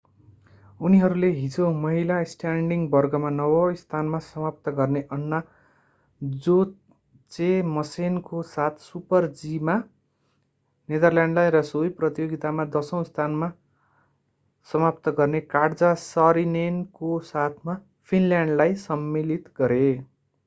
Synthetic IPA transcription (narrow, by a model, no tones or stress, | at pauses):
uniɦʌɾuleɦid͡zomʌɦilasʈaɳɖiŋbʌrɡʌmanʌwʌst̪ʰanmasʌmap̚t̪ʌɡʌrneʔʌnːa | d͡zo | t͡semʌsenkosat̪ʰsupʌrd͡zima | ned̪ʌrljaɳɖlajɾʌsojprʌt̪joɡit̪amad̪ʌsʌ̃w̃st̪ʰanma | sʌmap̚t̪ʌɡʌrnekaɽd͡zasʌɾinenkosat̪ʰma | pʰinljaɳɖlajsʌmːilit̪ɡʌɾe